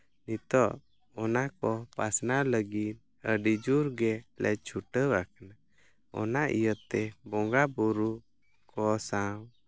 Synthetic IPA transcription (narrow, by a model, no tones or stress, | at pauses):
nit̪ɔʔ | ɔnakɔpasnaləɡin | əɖid͡ʒuɾɡɛlɛ̰t͡ʃʰuʈəwakəna | ɔ̰naʔḭjət̪ɛbɔŋɡabuɾu | kʰɔsaw